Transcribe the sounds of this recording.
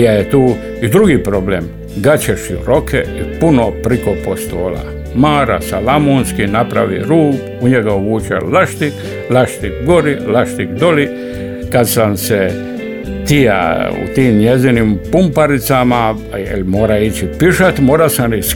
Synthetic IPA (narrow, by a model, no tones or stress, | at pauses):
jajet̪uː | id̪ɾuɡipɾoblem | ɡat͡ɕeʃṵɾo̞kʰḛipunopɾikopost̪oːla̰ | maːɾa̰salamonskinapɾa̰ʋḭɾuːp | uɲeɡaoʋuːt͡ʃḛlaʃt̪ik | laʃt̪ikɡoɾilaʃt̪ikd̪o̞li | kad̪samse | t̪ija̰ṵt̪iːmɲezinimpumpaɾit̪sama | jḛlmoːɾait͡ɕipiʃat̪moːɾasanis